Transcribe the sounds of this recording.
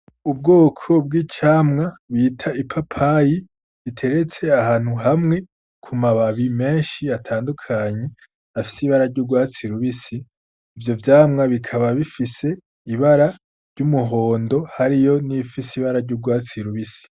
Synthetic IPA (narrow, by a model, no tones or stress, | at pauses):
ubɡoːkʰo̞b̚ɡiːt͡ʃaːmŋaβiːtʰaipʰapʰaji | βitʰe̞ɾe̞t͡se̞aɦaːn̥huɦamŋe̞ | kʰumaβaβime̞ːʃiatʰaːndukʰaɲe̞ | afi̥siβaɾaɾɟuːɡwaːt͡siɾuβisiː | vjo̞vjaːmŋaβikʰaβaβifise̞ | iβaɾa | ɾɟumuɦo̞ːndo̞haɾijo̞nifisiβaɾaɾɟuːɡwaːt͡siɾuβisi̥